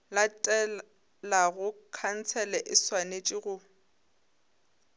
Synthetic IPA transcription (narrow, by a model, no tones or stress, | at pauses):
latʼɛ | laɣʊkʰan̩t͡sʰɛlɛʔɪswanet͡ʃʼɪɣʊ